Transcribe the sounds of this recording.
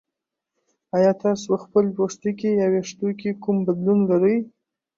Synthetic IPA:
ajɑt̪ɑsopəxpəlpoʂt̪ikejaweʂt̪okekumbad̪lunlaɾəj

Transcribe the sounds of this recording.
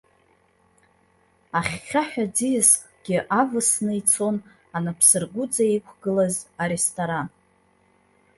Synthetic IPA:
aχʲːaħᶣad͡zijskʼɡ̥ʲɪʔavɨsnɨit͡sʰo̞n | anapʰsɨrɡʷʊd͡zaekʷʰɡɨlazaɾe̞stʰʼoɾan

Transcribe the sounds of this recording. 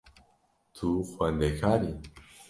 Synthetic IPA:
t̪ʰuxwand̪ekaɾi

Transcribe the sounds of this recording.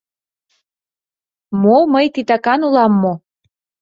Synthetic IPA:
moməjt̪it̪ɑkɑnulɑmːo

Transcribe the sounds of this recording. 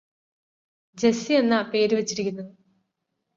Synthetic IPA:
d͡ʑe̞sienːɐpe̞ːɾuʋet͡ɕːiɾikʲːunːɐðu

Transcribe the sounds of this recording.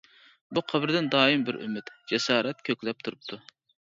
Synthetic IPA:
buqʰɑbɾɨd̪ɪnd̪ɑːimbɪɾʔy̰myt̪d͡ʒɛsɑːɾɛt̪̚kʲʰøkʲlɛp̚t̪ʰuɾup̚t̪ʰu

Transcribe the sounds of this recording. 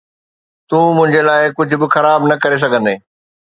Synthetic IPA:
t̪ũːmʊ̃ɦɪ̃ɲd͡ʑelaːɪkʊd͡ʑʱʊ̆bɪxɐɾaːbnɐkɐɾes̬ɐɡʱə̃nd̪eː

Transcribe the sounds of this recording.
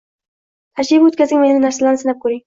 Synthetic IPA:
t̪ʰaʃibot̪̚kʲazɪŋmennɪnaɾsalaɾnɪsɪnap̚kʰɵɾɪŋ

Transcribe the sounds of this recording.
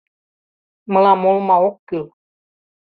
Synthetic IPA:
mə̃lamɔ̃lmãwɔkel

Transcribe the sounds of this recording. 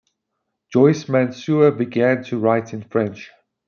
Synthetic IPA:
d͡ʒ̥ɔɪsmæ̃nsuəbiɡæ̃ntʰuɹaɪtʰɪ̃nfɹɛ̃nt͡ʃ

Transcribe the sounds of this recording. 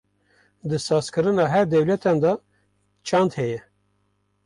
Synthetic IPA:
d̪ɨsɑːzkɨɾɨnɑːɦɛɾd̪ɛwlɛt̪ʰɑnd̪ɑ | t͡ʃʰɑnd̪hɛjɛ

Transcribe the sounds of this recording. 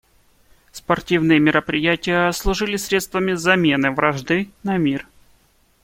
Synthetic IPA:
spɐrtʲivnɨjəmʲɪɾəpɾʲɪjætʲɪjəɐslˠʊʐɨlʲɪsʲɾʲet̪st̪vəmʲɪzɐmʲe̞nɨvɾɐʐd̪ɨnɐmʲir

